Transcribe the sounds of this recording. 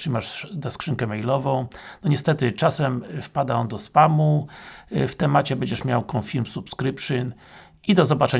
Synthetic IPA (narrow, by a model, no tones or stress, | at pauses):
ɘmaʂd̪askʂɘŋkɛmɛjlɔvɔ̃w̃nɔɲɛst̪ɛt̪ɘt͡ʂasɛmfpad̪aɔnd̪ɔspamu | ft̪ɛmat͡ɕɛbɛɲd͡ʑɛʂmʲjawkɔ̃fʲilmsupskɾɘpʂɘn | id̪ɔzɔbat͡ʂɛ